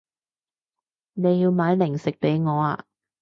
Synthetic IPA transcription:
ne˨˧jjiː˧wmaː˨˧˥jlɪ˨˩ŋsɪ˨k̚pe˨˥jŋɔː˨˧a̰ː˧

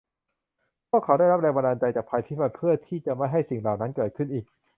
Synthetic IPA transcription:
pʰu˥˩kʰːa˦˥wda˥˩jɾa˦˥p̚ɾɛː˧ŋba˧ndaː˧nt͡ɕa˧jt͡ɕaː˨˩k̚pʰa˧jt̪ʰiː˦˥˩pʰa˧npʰɯ˥˩ɐt̪ʰiː˥˩t͡ɕa˨˩ma˥˩jɦa˥˩jsi˨˩ŋlaː˨˩wna˦˥nkɤː˨˩t̚kʰɯ˥˩nʔiː˨˩k̚

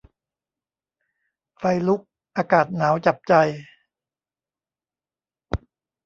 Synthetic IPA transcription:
fa˧jlu˦˥k̚ | ʔaː˧kaː˨˩t̪̚naː˩˦wt͡ɕa˨˩p̚t͡ɕa˧j

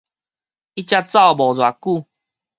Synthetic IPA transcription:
i˦t͡ɕja˦˧t͡sa˥˧wbɔ˨˩d͡zwa˨˩ku˥˧

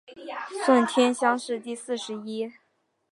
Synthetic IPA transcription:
swə˥˩nt̪ʰjɛ˥nɕjɑ˥ŋʂɻ̩˥˧t̪i˥˧sɹ̩˥˩ʂɻ̩˧˥i˥

